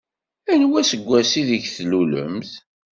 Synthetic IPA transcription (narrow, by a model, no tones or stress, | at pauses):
ænwæsəɡʷːæsiðəʝθlulə̰mθ